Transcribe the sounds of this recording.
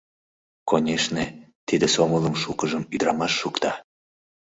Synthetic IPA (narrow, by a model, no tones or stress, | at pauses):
konʲeʃnet̪id̪esomələmʃukəʒəmyd̪ɾɑmɑʃːukt̪ɑ